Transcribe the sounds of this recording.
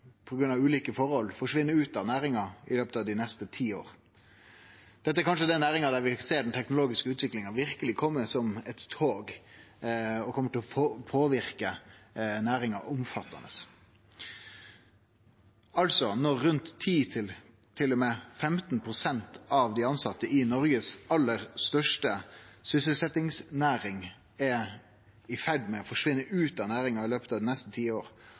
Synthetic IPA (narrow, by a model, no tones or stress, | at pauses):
pʰɔɡɾʉnɑʋʉːliːkəfɔɾhɔlfɔʂʋɪnːəɾʉːt̪ɑʋnæːɾɪŋɑɪløːpət̪ɑʋd̪ɪnɛst̪ət̪ʰiːo̰ːɾ | d̪̥ɛt̪ːəæɾkɑnʂəd̪ɛnæːɾɪŋɑd̪æɾʋɪseːɖɛnt̪ʰɛknʊloːɡɪskəʉːt̪ʋɪklɪŋɑʋɪɾkəlɪkʰɔmːəsɔmɛt̪ːʰoːɡ | ɔkʰɔmːəʈʰɪlɔpʰoːʋɪɾkə | næːɾɪŋɑ̰ʔʊmfɑt̪ːɑ̰nə̰s | ɑlsɔnɔʁːʉnt̪ʰːiːt̪ʰɪl | t̪ʰɪlːɔmɛfɛmt̪npʰɾʊsɛnt̪ɑʋd̪ɪɑnsɑt̪ːəʔɪnɔɾɡəsɑlːəɾst̪œʂʈəsʏsəlsɛt̪ɪŋsnæːɾɪŋ | ɛ | ɪfæɖmɛɔfɔʂʋɪnːəʔʉːt̪ɑnæːɾɪŋɑɪløːpət̪ʰɑʋd̪ɪnɛst̪ət̪ʰiːəoːɾ